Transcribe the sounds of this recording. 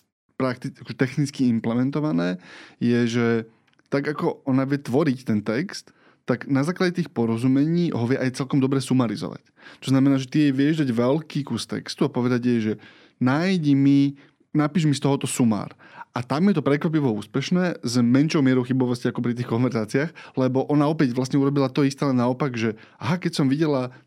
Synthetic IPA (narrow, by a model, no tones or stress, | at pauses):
pɾakt̪iakɔʒɛt̪ɛxnit͡skiimplɛmɛnt̪ɔʋanɛːjɛʒɛ | t̪aɡakɔɔnaʋɪɛt̪ʋɔɾict̪ɛnt̪ɛkst̪ː | aɡnazaːklaɟɛt̪iːxpɔɾɔzumɛɲiːɦɔʋɪjɛʔajt͡sɛlkɔmd̪ɔbɾɛːsumaɾizɔ̰ʋa̰c | t̪ɔznamɛnaːʒɛt̪iɛjʋɪɛʒd̪aɟʋɛlkiːkuɾst̪ɛ̰kst̪uapɔʋɛd̪aɟjɛʒɛ | najɟmi | napiːʒmist̪ɔɦɔt̪ɔsuma̰ːɾʔat̪amjɛt̪ɔpɾɛkʋap̬iʋɔuːspɛʃnɛːzmɛnʃɔʊmɪɛɾɔʊxibɔʋɔsciakɔpɾit̪̬iːxkɔnʋɛɾzaːt͡siaxlɛbɔʔɔnaɔpɛɟʋlasɲɛuɾɔbilat̪ɔist̪ɛːlɛnaɔpaɡʒɛ | aɦakɛcsɔmʋiɟɛla